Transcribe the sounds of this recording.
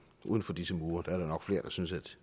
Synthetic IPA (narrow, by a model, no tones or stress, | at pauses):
ʔṵːð̞ˠn̩fɒ̽d̥isəmuːɐd̥ɑæɐɾ̥ɑ̈nɒ̽ɡ̥fle̝ːɐd̥ɑ̈synsæd̥